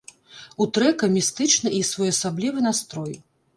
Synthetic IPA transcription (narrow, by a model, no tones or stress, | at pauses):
ut̪ɾɛkɐmʲist̪ɨt͡ʂnɐisvɔjɐsablʲivɨnast̪ɾɔj